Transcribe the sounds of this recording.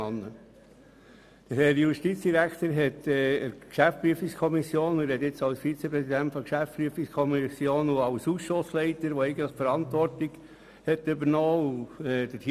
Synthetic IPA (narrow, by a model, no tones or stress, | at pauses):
ɑnːə | d̥əɾhɛɾjuʃtit͡sd̥iɾækʰt̪əɾɦɛt̪ɛəɾkʃæfpɾyəfikskʰɔmisjoːnʊɾhɛt̪ɪt͡sɑlsfit͡sepɾɛsidæntfɔkʃæfpɾyəfikskʰɔmisjoːnʊɑʊsuːsʃoslɛɪtəɾʋɔɛɪɡəntləfəɾɑnt̪ʋɔrtiɡ̥ | hɛtːʏbəɾnɔːuɛd̥̪ətʰi